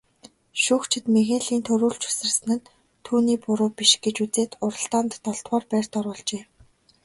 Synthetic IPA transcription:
ʃʊːxt͡ɕʰɪ̆t̪mexeɮiːnt̪ʰɵɾuːɮt͡ɕu̥sɘ̆rsɘ̆nɘ̆n | t̪ʰːuːniːpʊɾʊːpiʃɡet͡ɕut͡seːt̪ʊɾə̆ɬt̪aːnt̪ːɔɬt̪waːrpæːrʲt̪ɔɾʊːɮt͡ɕeː

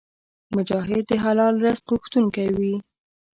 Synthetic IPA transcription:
mʊd͡ʒɑɦɪd̪ːəɦalɑlɾast̪ʁʊxt̪uŋkawi

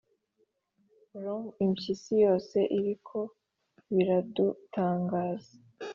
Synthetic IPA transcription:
ɾomimʃisijo̞ːse̞ʔiɾikʰo̞ | βiɾadutʰaːŋɡaːza

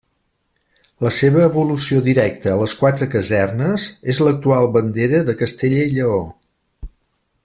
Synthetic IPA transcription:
ləseβ̞əːβulusiod̪iɾɛk̚t̪əːləskwat̪ɾəkəzɛrnəzezlək̚t̪ualˠβənd̪eɾəðəkəst̪eʎəiʎəo

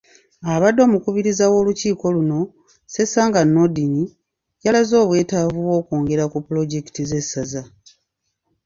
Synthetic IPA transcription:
aβadːo̞ːmukuβiɾizawo̞ːluciːko̞luno̞ | se̞saːŋɡanːodini | jalazo̞ːβwe̞ːtavuwo̞ːkoːŋɡe̞ɾakupulo̞ɟe̞ki̥tize̞saza

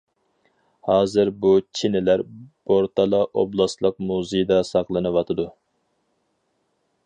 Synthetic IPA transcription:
hɑːzɨɾbut͡ʃʰinɪlæɾboɾt̪ʰɑlˠɑʔoblˠɑslˠəq̚muzɪjd̪ɑsɑqlˠɨnɨwɑt̪ʰɨd̪u

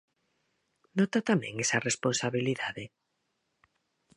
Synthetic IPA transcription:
nɔt̪at̪amɛ̰̃ŋesaresponsaβiliðaðe

